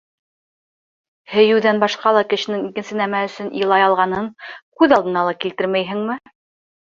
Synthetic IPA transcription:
hɘ̆jɘ̆wðænbɑʃqɑlˠɑkɘ̆ʃɘ̆nɘŋikɘ̆nsɘ̆næmæɵ̆sɵnḭlˠɑjɑlˠʁɑnɤŋkʉðɑlˠd̪ɤ̆nɑlˠɑkilt̪ɘɾmæjɦɘ̆ŋmɘ

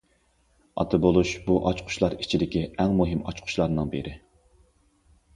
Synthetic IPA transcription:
ɑ̰t̪ʰɨbolˠuʃbuʔɑt͡ʃqʰʊ̥ʃlˠɑɾit͡ʃʰid̪ɪkʲiɛŋmuɦɪmɑ̰t͡ʃqʰʊ̥ʃlˠɑɾnɨŋbeɾɪ

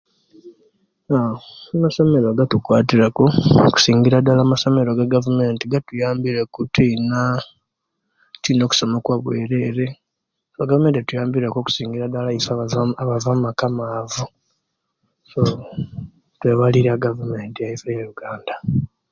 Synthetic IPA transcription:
aamaso̞me̞ɾoɡatukwaːtiɾakoku̥siːŋɡiɾadalamaso̞me̞ɾoɡaɡavume̞ːntiɡatujaːmbiɾekutiina | twino̞ːku̥somokwaβwḛːɾe̞ɾe̞ | saɡavume̞ːnttujaːmbiɾakoku̥siːŋɡiɾadalaisaaβavammakamavu | so | tweβaliɾaɡavume̞ːntiaifejaɾuɡaːnda

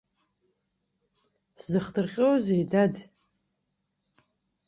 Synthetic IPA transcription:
szɨχdɨrqʲʼewazejdad

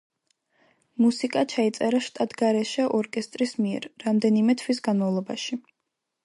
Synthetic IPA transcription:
musikʼat͡ʃʰait̪sʼɛɾaʃt̪ʼat̪ʰɡaɾɛʃɛʔɔɾkʼɛst̪ʼɾismiɛ̰ɾːamd̪ɛnimɛt̪ʰwis̬ɡanmavlˠɔbaʃi

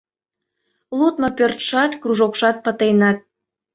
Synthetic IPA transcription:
lut̪mɤpørt̪ʃɑt̪kruʒokʃɑt̪̚pə̆t̪ejnɑt̪̚

